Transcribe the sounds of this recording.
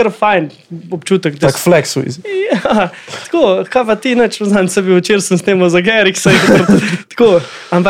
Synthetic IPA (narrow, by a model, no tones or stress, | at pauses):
əɾfaɪn | ɔpt͡ʃuːt̪əkd̪akflɛksuḭzaat̪koːkʰaɪpɐt̪inət͡ʃnɐznansəbiwt͡ʃeːɾsənst̪emɐzɐɡɛɾiksɐkpəɾt̪koːampɐ